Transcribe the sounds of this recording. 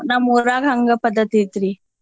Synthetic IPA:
namuːɾaːɡʱɐŋɡɐpɐd̪ʱːɐt̪it̪ɾi

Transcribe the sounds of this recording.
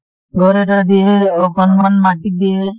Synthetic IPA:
ɡʱɔɾetad̪ieokɔnmanmaʈik̚d̪ie

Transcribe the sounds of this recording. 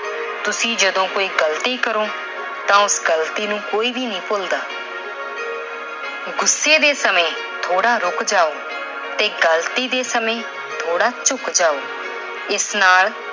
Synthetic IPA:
t̪ʊsĩːd͡ʒəd̪õːkoːiːɡəlt̪iːkəɾoː | t̪ãːʊsɡəlt̪iːnũːkoːiːbiːnĩːpoːld̪aː | ɡʊsːeːd̪eːsəmẽː | t̪ʰoːɽaːɾʊkd͡ʒaːoː | t̪eːɡəlt̪iːd̪eːsəmẽː | t̪ʰoːɽaːt͡ʃʊkd͡ʒaːoː | ɪsnaːl

